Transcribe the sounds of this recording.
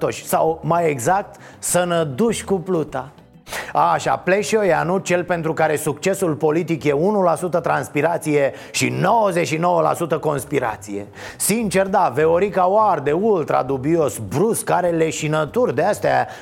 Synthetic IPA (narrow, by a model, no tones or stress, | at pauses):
t̪o̞ʃʲsawmajeɡzak̚t̪sənəd̪uʃʲkuplut̪a | aʃa̰ple̞ʃojanut͡ʃe̞lpe̞nt̪ɾukaɾe̞sukt͡ʃe̞sulpo̞lit̪ikje̞unulasut̪ət̪ɾanspiɾat̪sije̞ | ʃḭno̞wəzet͡ʃʃino̞wəla̰sut̪əko̞nspiɾa̰t̪sije̞̰ | sint͡ʃe̞rd̪aveo̞ɾikaward̪e̞ult̪ɾa̰d̪ubio̞sbɾuskaɾe̞le̞ʃinət̪urʲd̪east̪ea̰